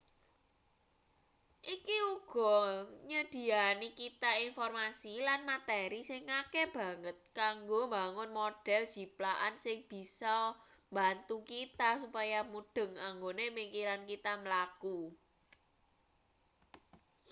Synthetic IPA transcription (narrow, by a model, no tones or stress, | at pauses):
ʔikiuɡ̥ɔ̤ɲəd̪̥i̤anikit̪ainfɔrmasilanmat̪ɛɾisɪŋːakɛb̥a̤ŋət̪̚kaŋɡombaŋʊnmoɖ̥ɛ̤ld̥d͡ʒ̥i̤plaʔansɪŋb̥i̤sɔ | mbant̪ukit̪asupajamud̥ə̤ŋaŋɡonemikiɾankit̪aməlaku